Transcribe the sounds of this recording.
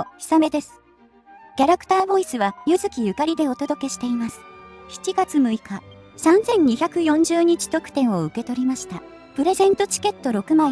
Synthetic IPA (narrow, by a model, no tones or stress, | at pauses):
çʲi̥same̞d̪e̞sɨ̥ | kʲaɾakɯ̟̥t̪aːbo̞isɨβajɯzɨkʲijɯ̟kaɾʲid̪e̞o̞t̪o̞d̪o̞ke̞ɕi̥t̪e̞imasɨ̥çi̥t͡ɕiɡat͡sɨmɯ̟ikasãnzẽ̞ɲ̟ɲːiçakɯ̟jõ̞ɲ̟d͡ʑɨːɲ̟it͡ɕi̥t̪okɯ̟̥t̪ẽ̞ɰ̃o̞ɯ̟ke̞t̪o̞ɾʲimaɕi̥t̪a | pɯ̟ɾe̞zẽ̞nt̪o̞t͡ɕi̥ke̞t̪ːo̞ɾo̞kɯ̟ma